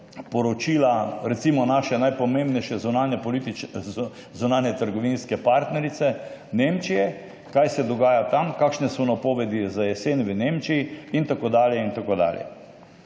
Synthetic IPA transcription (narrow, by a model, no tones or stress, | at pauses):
pɔɾɔt͡ʃiːlaɾɛt̪simɔnaʃɛnajpɔmẽmbnɛjʃɛzunanɛpɔlit̪i | zunaːnjɛt̪əɾɡɔʋinskɛpaɾt̪nɛɾit̪sɛnemt͡ʃijɛ | kajsɛd̪ɔɡaːjat̪amkaːkʃnɛsɔnapoːʋɛd̪izajɛsenʋənemt͡ʃijiint̪akoːd̪aːljɛint̪akoːd̪a̰ːljɛ̰